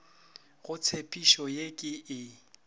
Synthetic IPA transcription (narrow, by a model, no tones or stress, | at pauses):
ɣʊt͡sʰepʼiʃɔjekʼɪɪ